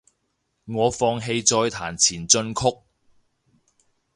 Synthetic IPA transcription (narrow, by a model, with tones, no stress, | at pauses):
ŋɔː˨˧fɔː˧ŋɦe˧jt͡sɔː˧jt̪ʰaː˨˩nt͡sʰiː˨˩nt͡sɵ˧nkʰʊ˥k̚